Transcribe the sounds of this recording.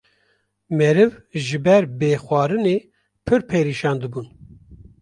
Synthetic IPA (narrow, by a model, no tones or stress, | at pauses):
mɛɾɨvʒɨbɛɾbeːxʷɑːɾɨneː | pʰɨɾpʰeɾiːʃɑːnd̪ɨbun